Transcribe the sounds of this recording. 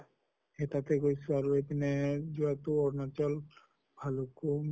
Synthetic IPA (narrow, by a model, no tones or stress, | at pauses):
ɛtatɛɡojsʊaɹuepinɛzuatʊɔɹnɔtɔl | bʱaloku